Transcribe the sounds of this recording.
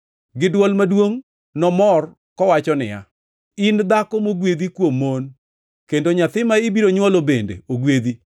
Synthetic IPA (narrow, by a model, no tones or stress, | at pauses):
ɡɪdwɔlmadwoŋ | nɔmɔr | kɔwat͡ʃɔnɪ̰ja̰ | ɪnd̪akɔmoɡwed̪ikwomːon | kendoɲat̪ɪmaɪbiɾoɲwɔlobendḛoɡwed̪i